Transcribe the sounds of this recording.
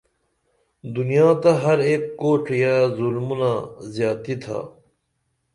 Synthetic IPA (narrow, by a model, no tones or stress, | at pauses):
d̪unijãːt̪ɐɦɐɾeːkːoːʈʰijaːzulmunaːzjaːt̪it̪ʰa̰ː